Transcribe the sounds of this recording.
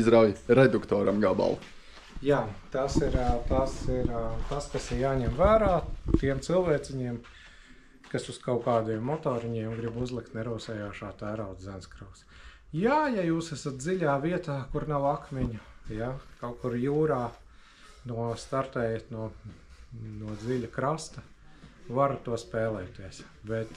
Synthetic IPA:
izɾawjɾɛd̪ukt̪ɔːɾɐmɡaba̰lˠ | jaːt̪asiɾt̪asiɾt̪askasɪɾjaːɲɛmvæːɾaːt̪iɛmt̪silˠʋɛːt̪sɪɲiɛm | kasuskawkaːd̪ijɛmːɔt̪ɔːɾiɲiɛmɡɾibuzlˠik̚t̪nɛɾuːsɛjaːʃaːt̪æːɾawt̪zænskɾuks | jaːjajuːsæsat̪̚d̪ziʎʲaːviɛt̪aːkuɾnawakmʲɛɲʊjakawkuɾjuːɾaː | nuɔst̪aɾt̪ɛːjat̪nuɔ | nuɔd̪ziʎʲukɾast̪ɐ | vaɾt̪uɔspɛːlˠɛːt̪iɛs | bɛt̪

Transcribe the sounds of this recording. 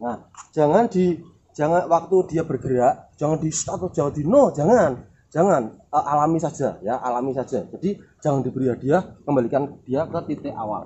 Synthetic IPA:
nahd͡ʒ̥aŋand̥i | d͡ʒ̥aŋanwak̚t̪udiab̥ərɡəɾaʔd͡ʒ̥aŋandist̪at̪ʊ̥d͡ʒ̥awat̪d̥̪inod͡ʒaŋan | d͡ʒ̥aŋanəʔalamisḁd͡ʒ̥a̰jaʔa̰lamisḁd͡ʒ̥ad͡ʒad̥i̥d͡ʒ̥aŋandibəɾiad̥iakəmbalikand̥iakət̪it̪ɪʔa̰wa̰l

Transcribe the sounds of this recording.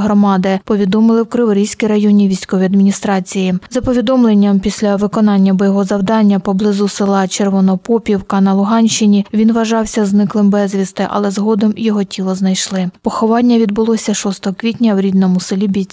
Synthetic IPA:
ɦɾɔmɑd̪ɪpɔʋʲid̪ɔmɪlˠɪwkɾɪʋɔɾʲijsʲkɪɾɐjɔnʲiʋʲijsʲkɔʋʲijɐd̪mʲinʲist̪ɾɑt͡sʲijizɐpɔʋʲid̪ɔmlˠenʲːɐmpʲisʲlʲɐʋɪkɔnɑnʲːɐbɔjɔɦɔzɐwd̪ɑnʲːɐpɔblˠɪzʊsɪlˠɑt͡ʃerʋɔnɔpɔpʲiwkɐnɐlˠʊɦɑnʲʃt͡ʃɪnʲiʋʲinʋɐʒɑwsʲɐznɪklˠɪmbɛzʲʋʲist̪ɪʔɐ̰lˠɛzɦɔd̪ɔmjɔɦɔtʲilˠɔznɐjʃlˠɪpɔxɔʋɑnʲːɐʋʲid̪bʊlˠɔsʲɐʃɔst̪ɔɦɔkʋʲitʲnʲɐwɾʲid̪nɔmʊsɪlʲibʲit͡sʲ

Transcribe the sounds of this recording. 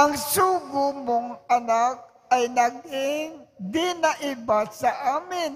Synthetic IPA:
ɐŋsuːɡʊmoŋɐnak̚ | ʔɐjnɐɡɪŋd̪ɪnɐʔɪbasɐʔaːmɪn

